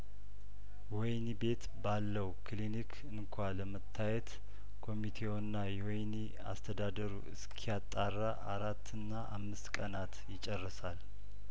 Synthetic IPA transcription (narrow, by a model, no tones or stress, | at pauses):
wɔjnibe̞t̪balːəwkʰlinikʰɨŋkʰʷaləmət̪ʰːajɛt̪ | kʰo̞mit̪ʰe̞wnːajɛwɔjni | a̰st̪ʰəd̪ad̪əɾṵɨ̰skʰijat̪ʼːarːaʔaɾat̪ʰːɨnːaʔamːɨst̪kʼənat̪jɪt͡ʃʼɛrːəsal